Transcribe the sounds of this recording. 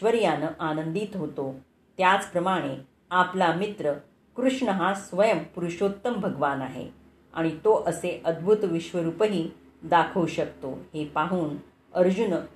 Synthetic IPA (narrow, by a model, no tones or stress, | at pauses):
ɕʋəɾjanəʔanənd̪it̪ɦot̪o | t̪jat͡spɾəmaɽ̃e | aplamit̪ɾə | kɾuʂɳəɦasʋəjəmpuɾuɕot̪ːəmbʱəɡʋanaɦḛ | a̰ɽ̃it̪oʔəseʔəd̪̚bʱut̪ʋiɕʋəɾuːpəɦiː | d̪akʰəwɕək̚t̪o̰hepaɦuːn | əɾd͡ʑun